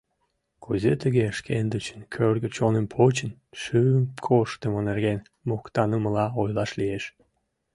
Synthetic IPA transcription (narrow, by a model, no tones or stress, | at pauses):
kʰuzet̪əɣeʃkʰend̪ət͡ɕə̥nkʰørɣə̆t͡ɕonənpʰot͡ɕənʃyəmkʰoʃt̪emonerɣen | mokt̪ɑnəməlɑojlɑʃlieʃ